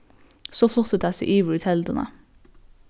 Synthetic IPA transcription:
soːflʊt̪ət̪æsḭʔiːʋəɹʉt̪ʰɛld̪ənə̰

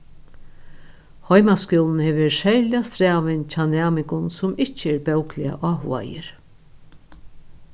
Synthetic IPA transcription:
hɔjmaskɔwln̩heːʋɪʃɛljast̪ɾæːʋɪnt͡ʃʰanæːmɪŋkʊnsʊmɪht͡ʃəɛɾpɛwklɪa̰ʔaːɦua̰jɪ̰ɾ

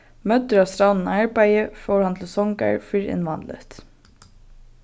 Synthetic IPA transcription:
mœt̪əɹɑːʋst̪ɾɑʊnn̩ɑɹbæɪəfoːɹhɑnt̪ʰl̩sɔŋɡæ̰ɹfʏɹɪ̰nʋɑnd̪lə̰t̪

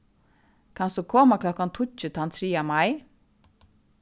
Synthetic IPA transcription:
kʰɑnsuːkʰɔmakʰlɔkɑnt̪ʰʊc͡çʉt̪ʰɑnt̪ʰɾiːamɑɪ

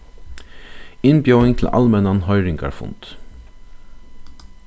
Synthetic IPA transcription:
ɪnbjoʊɪŋt̪ʰl̩ʔɑ̰lmɛnɑnhœʏɾɪŋɡɑ̰ɹfʊ̰nt̪

